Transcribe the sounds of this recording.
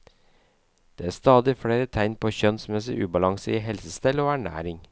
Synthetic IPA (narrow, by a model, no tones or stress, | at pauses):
d̪̥eːæːst̪ɑːd̪ɪfɽeːɾət̪ʰæɪnpʰoːçœnsmɛsɪ̰ʔʉːbɑlɑŋsəiːhɛlsəst̪ɛloːæɳæ̰ːɾɪŋ